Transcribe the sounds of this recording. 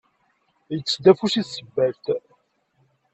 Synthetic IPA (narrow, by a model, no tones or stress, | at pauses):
jət͡sːd̪æfusisəbːæɾt̪